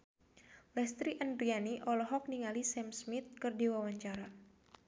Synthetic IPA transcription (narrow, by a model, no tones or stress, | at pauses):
lɛst̪ɾiʔandɾianiʔɔlɔɦɔk̚niŋalisɛmsmit̪̚kɨrdiwawaɲt͡ʃaɾa